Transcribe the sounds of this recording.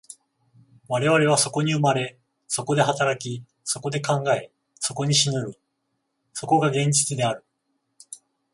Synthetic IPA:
βaɾe̞βaɾe̞β̞aso̞ko̞ɲ̟iɯ̟maɾe̞ | so̞ko̞d̪e̞ɦat̪aɾakʲi | so̞ko̞d̪e̞kãŋɡae̞ | so̞ko̞ɲ̟iɕinɯɾɯ̟ | so̞ko̞ɡaɡẽ̞ɲ̟d͡ʑit͡sɨd̪e̞aɾɯ̟

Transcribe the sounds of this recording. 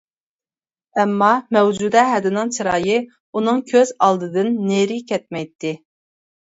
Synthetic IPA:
ɛmːɑmɛwd͡ʒud̪ɛɦɛd̪ɪnɨŋt͡ʃʰiɾɑːjɨ | unɨŋkʲʰøzɑlˠd̪ɨd̪ɨnːeɾɪkʲɛt̪̚mɛjt̪ʰːɪ

